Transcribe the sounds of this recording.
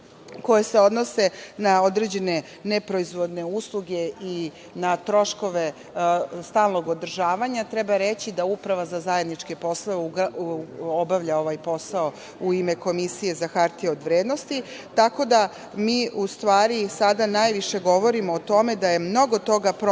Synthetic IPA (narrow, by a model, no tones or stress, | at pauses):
ko̞jese̞o̞d̪nose̞nao̞d̪ɾed͡ʑe̞ne̞ | nepɾoizʋo̞d̪ne̞uslˠuɡe̞i | nat̪ɾo̞ʃko̞ʋe̞ | st̪aːlˠno̞ɡod̪r̩ʒaːʋaɲat̪ɾɛbaɾet͡ɕid̪aupɾaʋazazaje̞d̪nit͡ʂkepo̞slˠoʋeu | obaʋʎaoʋajpo̞sao | uime̞ko̞misije̞zaxaɾt̪ieod̪ʋɾed̪no̞st̪it̪ako̞d̪a | miːust̪ʋaːɾisad̪anajʋiʃe̞ɡo̞ʋo̞ɾimoːt̪o̞me̞d̪aje̞mno̞ɡo̞t̪o̞ɡapɾ